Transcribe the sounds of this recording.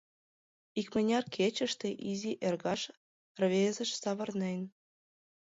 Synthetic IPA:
ikmə̆nʲɑrkʰet͡ɕə̆ʃt̪ĕʔizʲiʔerɣɑʃ | rβezə̆ʃsɑβɤ̆rnen

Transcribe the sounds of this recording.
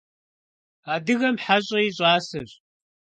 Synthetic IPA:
aːdɨɣɐmħaɕʼɐjɪɕʼaːsɨr

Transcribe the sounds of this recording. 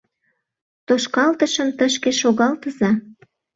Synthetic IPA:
t̪oʃkɑlt̪əʃəmt̪əʃkeʃoɣɑlt̪əzɑ

